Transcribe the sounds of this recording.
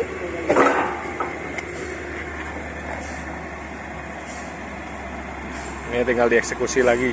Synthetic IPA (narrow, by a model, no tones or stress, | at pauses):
mat̪iŋɡaldiɛksekusilaɡi